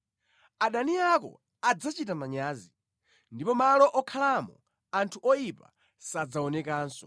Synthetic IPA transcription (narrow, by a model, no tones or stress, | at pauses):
aɗaniakɔ̰ | ad͡zat͡ʃitamaɲaːzi | ndipɔmalɔʔɔkʰalamɔ | antʰuʔɔjipa̰ | sad͡zaɔnɛkaːnsɔ